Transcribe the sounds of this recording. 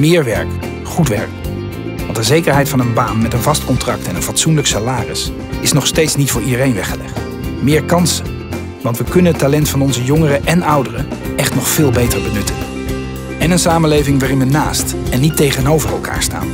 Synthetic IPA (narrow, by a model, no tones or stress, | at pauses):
mɪːɹʋɛ̰ɹk | χutʋɛ̰ɹk | ʋɑntdəzejkəɹɦɛjtfɑnənbaːnmɛtənvɑstkɔntrɑk̚tɛnənvɑtsunləksalaːrɪs | ɪsnɔχstejtsnitfʊːɹidərejnʋɛχəlɛ̰χt | mɪːɹkɑnsən | ʋɑntʋəkɵnənɦətːalɛntfɑnɔnzəjɔŋərəʔɛnʌwdərəʔɛχtnɔχfɪːlˠbejtəɹbənɵtən | ɛnənsaːmənlejvɪŋʋaːrɪnʋənaːst | ɛnːitejχənowvərɛlˠka̰ːɹsta̰ːn